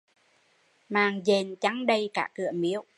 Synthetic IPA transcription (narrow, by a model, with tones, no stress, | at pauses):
maː˨˩ŋze˨˩nt͡ɕa˨˦ŋɗə˧jkaː˧˩kɨ˧˩əmi˧˦əw